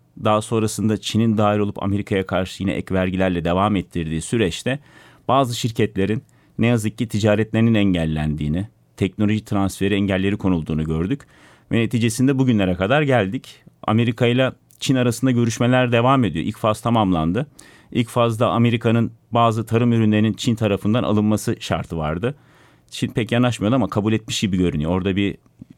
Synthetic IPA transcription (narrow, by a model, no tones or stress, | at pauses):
d̪aːaso̞nɾasɯnd̪at͡ʃʰinind̪aːɦiɾo̞lˠupʰa̰me̞ɾikʰajakʰaɾʃɯjinɛ̰ʔɛ̰cvæɾɟilʲæɾlʲɛd̪e̞vaːmɛt̪ʰːiɾd̪iːsyɾɛt͡ʃt̪ʰɛ | b̥aːzɯʃiɾcʰɛt̪lʲe̞ɾinː | ejazɯk̚cːit̪ʰid͡ʒaːɾɛt̪lʲe̞ɾininɛɲɟælʲːænd̪iːni | t̪ʰɛc̚nolʲo̞ʒit̪ʰɾansfe̞ɾiɛɲɟælʲːe̞ɾikʰo̞nulˠd̪uːnuɟø̞ɾd̪yc | vɛne̞t̪ʰiːd͡ʒe̞sind̪ɛbuɟynlʲe̞ɾɛkad̪aɾɟælʲd̪ica̰me̞ɾikʰajlˠa | t͡ʃʰinaɾasɯnd̪aɟø̞ɾyʃme̞lʲæɾd̪e̞vaːme̞d̪ijo̞ʔḭlʲcfazt̪ʰamamlˠand̪ɯ | ilʲcfazld̪ˠaʔame̞ɾikʰanɯnbaːzɯt̪ʰaɾɯmyɾynlʲe̞ɾinint͡ʃʰint̪ʰaɾafɯnd̪anʔa̰lˠɯnmasɯʃa̰ɾt̪ʰɯva̰ɾd̪ɯ | t͡ʃʰinpʰɛcjanˠaʃmajod̪amakʰabulʲɛt̪̚miʃɟibiɟø̞ɾynyjoo̞ɾd̪abi